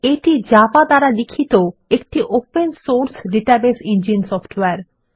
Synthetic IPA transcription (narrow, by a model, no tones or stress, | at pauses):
eʈid͡ʑapad̪aɾalikʰːit̪oek̚ʈiʔopensoɾsɖeʈabesind͡ʑinsɔfʈweaɾ